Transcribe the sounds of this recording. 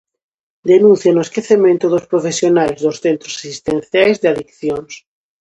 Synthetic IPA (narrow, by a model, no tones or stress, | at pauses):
d̪enũnθjanoeskeθemẽnt̪ʊðospɾofesjonalzðosθent̪ɾo̥sasist̪ẽnθjajzðeaðikθjons